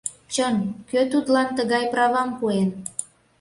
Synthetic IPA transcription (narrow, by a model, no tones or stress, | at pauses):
t͡ɕənkøt̪ut̪lɑnt̪əɣɑjprɑvɑmpuen